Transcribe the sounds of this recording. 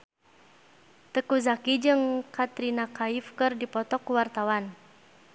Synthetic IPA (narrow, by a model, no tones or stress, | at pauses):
t̪əkuzakid͡ʒɨŋkat̪ɾinakaifkɨrdipɔt̪ɔkːuwart̪awan